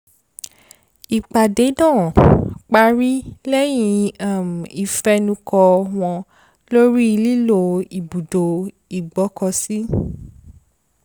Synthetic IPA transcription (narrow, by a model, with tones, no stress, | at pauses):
i˨k͡pa˨de˨˦dãː˦˨k͡pa˧˦ɾi˦lɛ˦j̃ĩ˧a˨m̩˨i˨fɛ˧˦nũ˧kɔ˧w̃ɔ̃˧ | lo˦ɾi˦i˧li˦lo˧˨i˨bu˨do˨ | i˨ɡ͡bɔ˨˦kɔ˧si˦